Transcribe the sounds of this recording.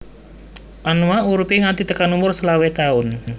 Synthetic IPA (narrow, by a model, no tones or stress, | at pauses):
ʔanuwauɾupiŋat̪it̪əkanumʊrsəlawet̪aʊn